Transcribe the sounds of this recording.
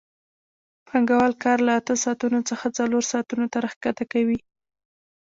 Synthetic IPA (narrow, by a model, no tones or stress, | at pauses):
pʰaŋɡawalkɑɾlaːt̪əsɑːt̪unot͡səxat͡saloɾsɑːt̪unot̪aɾaxkat̪akawi